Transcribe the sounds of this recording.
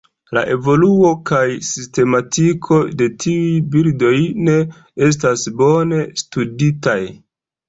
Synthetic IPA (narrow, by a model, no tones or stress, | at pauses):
la̰ʔe̞vo̞luo̞kajsiste̞matikʰo̞de̞tʰiujbiɾdo̞jne̞ | e̞s̬tasbo̞ne̞studitaj